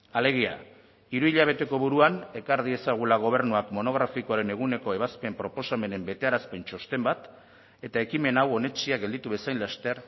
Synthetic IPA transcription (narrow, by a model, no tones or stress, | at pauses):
ale̞ɣia̰ | iɾuiʎaβ̞e̞t̪e̞ko̞βuɾuane̞kaɾðie̞saɣ̞ulaɣ̞o̞β̞e̞ɾnuakmo̞no̞ɣ̞ɾafikoaɾe̞ne̞ɣ̞une̞ko̞e̞βaspe̞mpɾo̞po̞same̞ne̞mbe̞t̪e̞aɾaspe̞nt͡ʃo̞st̪e̞mbat̪ | e̞t̪ae̞kime̞nawo̞ne̞t͡ʃiaɡe̞ld̪it̪uβe̞sajnlast̪e̞ɾ